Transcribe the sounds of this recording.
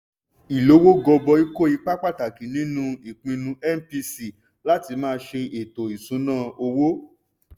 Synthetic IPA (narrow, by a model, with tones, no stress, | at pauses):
i˨lo˨˦wo˦ɡɔ˧bɔ˧i˦ko˦˨i˧k͡pa˦k͡pa˦˨ta˨ki˨nĩ˨˦nũ˧i˨k͡pĩ˧nũ˧ɛ˦˨m̩˨pi˧si˦˨ | la˦ti˧mãː˦˧˦ʃe˧e˨to˨i˨sũ˨˦nãː˦˨o˧wo˦